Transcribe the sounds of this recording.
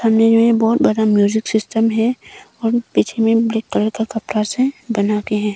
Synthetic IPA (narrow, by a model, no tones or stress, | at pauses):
hɐmned͡ʒoɦẽbɔːt̪̚bɐd̪amjuːd͡ʒɪksɪsʈəmɦɛɔːɾpiːt͡ʃʰemẽblekːəɾəkakɐpɾasẽbɐnakeɦɛ̃ː